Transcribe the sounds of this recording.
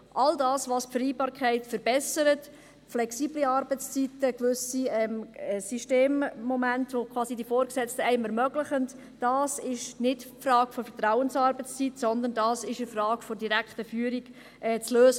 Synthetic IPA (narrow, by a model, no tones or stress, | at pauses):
ʔɑldɑːsʋɑspfəɾiːbɑːɾkʰɛɪtfəɾbɛsəɾət | flɛksiːbliɑɾbət͡st͡sitəkvʏsiɛmɛsyʃteːmːɔmæntʋokʰvɑːsidifɔːɾksɛt͡stəɛɪmɛɾmœɡləχənt | d̥ɑːsɪʃnɪdfrɑːɡ̥fɔfɛɾtɾaʊənsɑɾbət͡st͡sitsɔnd̪əndɑːsɪʃəfrɑːɡ̥fɔdiɾækχtəfyːəɾik | ɛːt͡sløːsə